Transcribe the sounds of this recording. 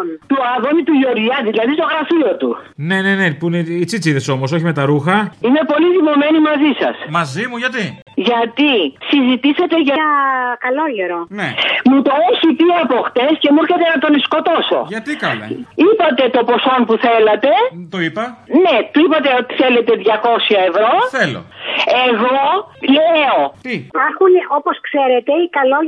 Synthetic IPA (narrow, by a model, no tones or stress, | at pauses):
nt̪uɐðonit̪uʝo̞ɾʝɐðilɐðist̪o̞ɣɾɐfio̞t̪une̞nenepuneit͡sit͡siðeso̞mos̬o̞çimet̪ɐɾuxɐime̞po̞liðivome̞nimɐzisɐ̰smɐzimuʝɐt̪i | ʝɐt̪isizit̪iset̪e̞ʝɐɐkɐloʎeɾonemut̪o̞eçip̪iɐpo̞xt̪e̞sce̞muɾçetç̪enɐt̪o̞nisko̞t̪o̞so̞̰t̪ | ipɐt̪e̞t̪o̞po̞so̞mpuθe̞lɐt̪e̞t̪oipɐne̞t̪oipɐt̪e̞o̞t̪i̥θe̞le̞t̪e̞ðʝɐko̞sɐevɾo̞θelo̰e̞ɣo̞leo̞ipɐɾxunʔoposkseɾet̪e̞ikɐlo